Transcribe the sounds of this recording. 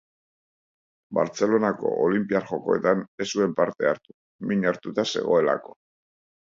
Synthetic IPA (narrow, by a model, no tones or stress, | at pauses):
ba̰ɾt͡se̞lo̞nako̞̰ʔolimpiaɾxo̞ko̞e̞t̪ane̞sue̞mpaɾt̪e̞aɾt̪u̥ | miɲaɾt̪ut̪ase̞̰ɣ̞o̞e̞la̰ko̞